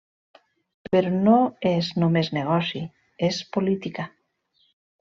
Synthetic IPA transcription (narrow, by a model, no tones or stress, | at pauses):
peɾonoeznomezneɣ̞ɔsi | espolit̪ika